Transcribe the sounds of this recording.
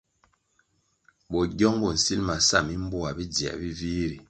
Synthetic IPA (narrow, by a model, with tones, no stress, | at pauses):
bɔ˨ɟɔ˦ŋbɔ˨n̩˨si˦lma˨sa˦˨mi˦m˦bo˦a˨bi˦d͡zi˨a̰˨bi˦viː˦ɾi˨